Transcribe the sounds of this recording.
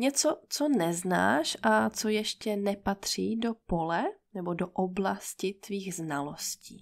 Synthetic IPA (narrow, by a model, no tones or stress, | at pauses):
ɲɛt͡sot͡so̞nɛzna̰ːʃʔat͡sojɛʃcɛnɛpat̪r̝̥iːdopo̞lɛnɛbodoʔoblascɪt̪viːɣznalo̞sciː